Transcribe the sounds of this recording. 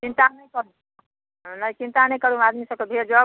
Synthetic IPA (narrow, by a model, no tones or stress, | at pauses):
t͡ʃint̪anəjkəɾũ | nəjt͡ʃint̪anəjkəɾũmad̪misəb̚kebʱeɾd͡ʒə